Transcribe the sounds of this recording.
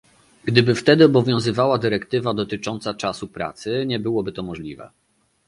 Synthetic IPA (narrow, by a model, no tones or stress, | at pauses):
ɡd̪ɘbɘft̪ɛd̪ɘɔbɔvʲjɔ̃w̃zɘvawad̪ɘɾɛkt̪ɘvad̪ɔt̪ɘt͡ʂɔnt̪sat͡ʂasupɾa̰t̪sɘɲɛbɘwɔbɘt̪ɔmɔʐlʲivɛ̰